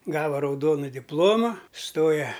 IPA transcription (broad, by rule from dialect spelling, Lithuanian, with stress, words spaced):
ˈɡɑːʋɐ rɐʊˈdoːnʊ dʲɪpˈlˠoːmɐ ˈstoːjɛ